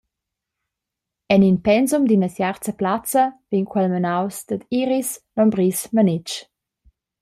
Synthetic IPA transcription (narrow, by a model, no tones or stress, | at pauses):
ɛninpɛnzumd̪inəsjart͡səplat͡səvinkʰwɛlmənawsd̪̥əd̪iɾisnɔmbɾismənɪt͡ʃ